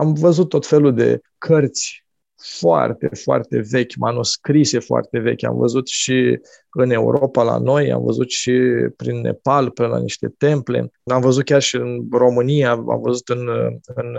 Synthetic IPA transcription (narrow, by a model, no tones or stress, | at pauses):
amvəzut̪ːo̞t̪fe̞luld̪e̞̰ | kʰərt̪sʲ | foa̰rt̪e̞foa̰rt̪e̞ve̞kʲmanuskɾise̞foa̰rt̪e̞ve̞kʲa̰mvə̰zut̪ʃi | ɨne̞ṵɾʔo̞pala̰no̞ja̰mvə̰zut̪ʃipɾinːe̞̰palpɨnla̰niʃt̪e̞̰t̪e̞mple̞̰amvəzut̪̚kʲarʃiɨnro̞mɨnijaa̰mvəzut̪ɨnɨn